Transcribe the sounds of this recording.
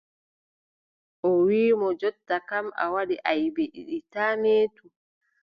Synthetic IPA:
ʔɔwiːmɔd͡ʒɔtːakama̰waɗiʔajbeɗḭɗitaneːtu

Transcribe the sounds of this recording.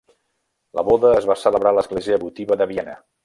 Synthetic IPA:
lə̰βɔðəːzβasələβɾaləzɣleziəβut̪iβəðəβiɛnə̰

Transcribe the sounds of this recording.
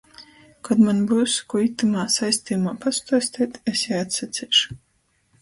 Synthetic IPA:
kad̪manbuwskuit̪ːumaːsajsʲt̪ʲiːjumaːpast̪aːsʲt̪ʲiːt̪esjaat̪sat̪sʲɛʃu̥

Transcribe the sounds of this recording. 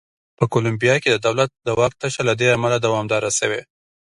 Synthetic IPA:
pəkolʊmbijɑked̪əd̪awlat̪̚d̪əwɑk̚t̪aʃalad̪eamalad̪awɑmd̪ɑɾasəwe

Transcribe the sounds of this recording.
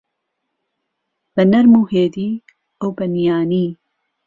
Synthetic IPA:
b̥ɐnɐɾmuːheːd̪iː | ɐwbɐnijaːniː

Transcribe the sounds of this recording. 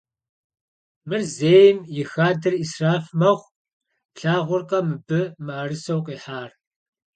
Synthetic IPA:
mɨrzeːjmjɪxaːdɨrisraːfmɐʁʷ | ɬaːʁʷʊrqɐmɨbɨmɨːrɨsɐwqʼiːħaːr

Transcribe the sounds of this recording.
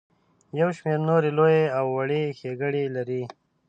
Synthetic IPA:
jawʃmeɾnoɾelojeawːaɽexeɡəɽelaɾi

